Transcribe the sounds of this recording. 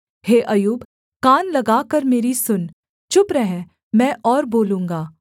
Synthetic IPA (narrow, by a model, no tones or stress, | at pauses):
heːʔɐjuːb | kaːnlɐɡaːkɐɾmeːɾisʊn | t͡ʃʊpɾɛɦɛ̃ | mɛ̃ːʔɔːɾboːlũːŋɡaː